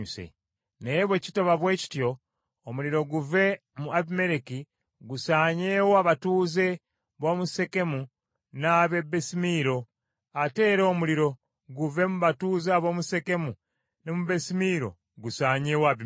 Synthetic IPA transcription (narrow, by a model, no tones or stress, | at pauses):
sḛ | neβwe̞ci̥toβaβwe̞ːci̥tjo̞ː | muliɾo̞ɡuve̞ | muaβime̞ɾeki | ɡusaɲeːwaβatuːze̞ | βoːmuse̞ke̞mu | naβe̞bːe̞simiɾo̞ | ate̞ːɾo̞ːmuliɾo̞ | ɡuve̞muβatuːzeaβoːmuse̞ke̞mu | nemuβe̞simiːɾo̞̰ | ɡusaːɲeːwaβi